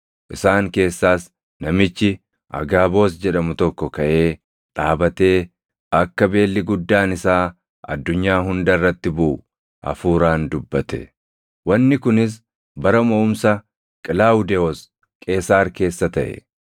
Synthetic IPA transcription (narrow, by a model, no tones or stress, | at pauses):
ʔɪsaːŋke̞ːsːaːs | nɐmɪt͡ʃːɪ | ʔɐ̰ɡaːbo̞ːs̬d͡ʒɛᶑɐmʊt̪ɔkːɔkɐʔe̞ː | ᶑ̪ʼaːbɐt̪e̞ː | ɐkːɐbe̞ːlːɪɡʊd̪ːaːnɪsaː | ɐ̰d̪ːʊɲːaːɦʊnd̪ɐrːɐt̪ːɪbʊʔʊ | ʔɐ̰fuːɾaːnd̪ʊbːɐt̪ɛ̥̰ | wɐnːɪkʊnɪs̬ | bɐɾɐmɐʊmsɐ | kʼɪlaːʊd̪ɛɔs | kʼe̞ːsaːɾke̞ːsːɐt̪ɐʔɛ̰